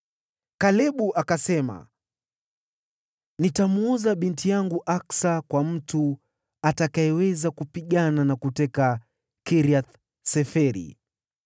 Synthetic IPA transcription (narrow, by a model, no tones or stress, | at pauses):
kalɛɓuʔakasɛma̰ | nitamuɔzaɓintijaŋɡuʔaksakwam̩tu | atakaɛwɛzakupiɠananakutɛka | kiɾiat̪ | sɛfɛɾḭ